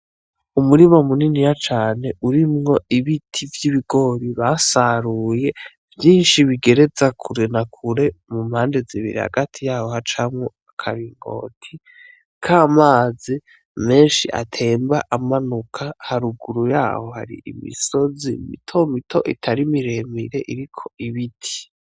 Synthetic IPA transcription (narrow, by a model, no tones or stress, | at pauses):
umuɾimamuninijat͡ʃaːne̞ʔuɾimŋo̞ʔiβitʰivjiβiɡo̞ɾiβasaɾuje̞ | vjiːnʃiβiɡe̞ɾe̞zakʰuɾe̞nakʰuɾe̞mumhaːnde̞ziβḭɾiha̰ɡatʰijaːho̞hat͡ʃamŋo | akʰaɾiŋɡo̞̰ːtʰi | kʰaːmaːzi | me̞ːnʃiʔa̰tʰe̞ːmbaʔamanukʰahaɾuɡuɾuja̰ːho̞ha̰ɾḭḭmḭso̞zimḭtʰo̞mitʰo̞ʔitʰaɾimiɾe̞miɾe̞ʔiɾikʰo̞̥ʔiβitʰi̥